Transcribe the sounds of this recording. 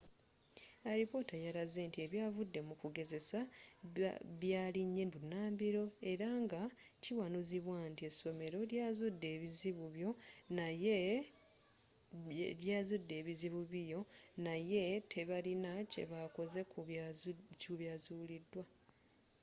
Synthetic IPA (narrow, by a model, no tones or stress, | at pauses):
aɾipo̞tajaɾaze̞ːntie̞βjaːvudːe̞mukuɡe̞ze̞sa | βjaːliɲːembunaːmbiɾo̞e̞ɾaŋɡa | ciwanuziβwaːntie̞so̞me̞ɾo̞ljaːzudːe̞ːβiziβuβjo̞naje | ljaːzudːe̞ːβiziβuβijo̞naje̞tʰe̞βalinace̞̰βako̞ze̞k | cuβjaːzuːlidːwa